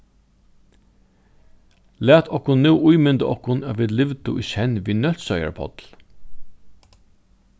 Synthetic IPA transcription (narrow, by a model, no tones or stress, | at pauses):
læːt̪ʰɔhkʊnːʉwʔʊjmʏnt̪əʔɔhkʊnaːʋiːd̪lɪʋt̪ʊ̰ʔiʃɛnʋiːnœlt̪sœja̰ɹpʰɔ̰t̪l